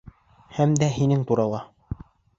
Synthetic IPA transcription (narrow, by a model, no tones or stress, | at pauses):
hæmd̪æɦinɘŋt̪uɾɑlˠɑ